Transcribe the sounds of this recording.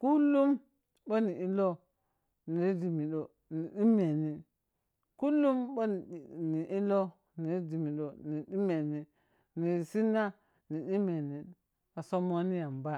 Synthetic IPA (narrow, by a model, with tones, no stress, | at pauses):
ku˦lːu˦m | ɓo˦ni˨i˦lo˦ | ni˨˦di˨mi˨ɗo˨ | ni˨ɗi˦me˨ni˨ | ku˦lːu˦mbo˦˨ni˨ʔi˦lo˦ | ni˨˦di˨mi˨ɗo˨ni˨ɗi˦me˨ni˨ | ni˨si˦na˦ | ni˨ɗi˦me˨ni˨ | a˨so˦mo˦ni˦ja˨mba˦